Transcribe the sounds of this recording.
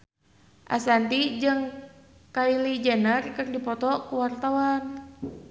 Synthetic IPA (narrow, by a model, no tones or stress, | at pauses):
ʔa̰sant̪id͡ʒɨŋ | kailid͡ʒɛnərkɨrdipɔt̪ɔkuwart̪awan